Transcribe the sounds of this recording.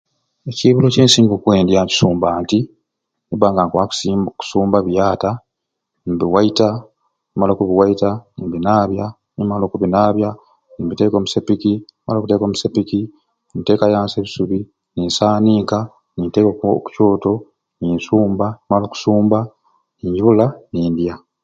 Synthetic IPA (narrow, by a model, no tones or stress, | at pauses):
e̞ciβuloce̞ːnsiːŋɡokwe̞ːndjaβi̥suːmbaːnti | niβaːŋɡaŋkwakːku̥suːmbaβjaːta | biwaita | imalo̞ːkuβiwaitanimbinaːβja | nimalo̞ːkuβinaːβja | nimbite̞ːko̞ːmusepikinima̰lo̞ːkute̞ːko̞ːmusepiki | mite̞ːkajaːnse̞ːβisuβi | niːnsaːniːka | nintekoku̥co̞ːto̞ | niːnsuːmbanimalo̞ːku̥suːmba | niːɲɟuβulaniːndja